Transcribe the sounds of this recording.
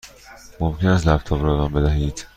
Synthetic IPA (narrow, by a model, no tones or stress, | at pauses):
momcenæst̪læp̚t̪ʰɒːbɾɒed̪ɒːmbe̞d̪æɦiːd̪̥